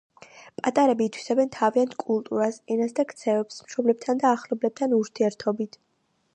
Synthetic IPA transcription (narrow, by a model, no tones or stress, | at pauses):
pʼat̪ʼaɾɛbiːt̪ʰwi̥sabɛnt̪ʰaviant̪ʰkʼulˠt̪ʼuɾasɛnasd̪akʰt̪sʰɛvɛpsmʃɔblɛb̚t̪ʰand̪aːχlɔblɛp̚t̪ʰanuɾt̪ʰiɛɾt̪ʰɔbit̪ʰ